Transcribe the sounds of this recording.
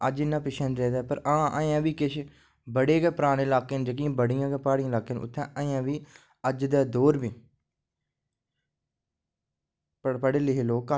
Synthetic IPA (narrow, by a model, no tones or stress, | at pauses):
əd͡ʒɪnːãːpɪʃə̃nd̪ɾeːd̪ɛːpəɾãːʔəjãːʋiːkɪʃʰ | bəɽeːkɛːpɾaːɽ̃eːlaːkeːnd͡ʒək̬ĩːbəɽɪjãːkɛːpaːɽĩãːlaːkeːnʔʊ̰t̪ʰːɛ̃ːəjãːʋiː | əd͡ʒd̪aːd̪oːɾʋiː | pəpəɽeːlɪɦloːka